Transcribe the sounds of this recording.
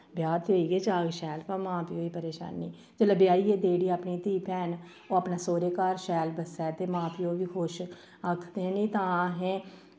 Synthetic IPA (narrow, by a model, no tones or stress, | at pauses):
bjaːt̪ʰoːiːɡeːd͡ʒaːɡʃɛːlpãːmãːpɪjõːiːpəɾeːʃa̰ːnːiː | d͡ʒələbɪjaːiːeːd̪eːɽiːaːpniːt̪iːpɛːn | oːaːpnaːsoːɾeːkaːɾʃɛːlbəsɛːt̪eːmãːpɪjõːʋiːkʰʊʃ | akʰd̪ẽːnĩːt̪ãːɦɛ̃ː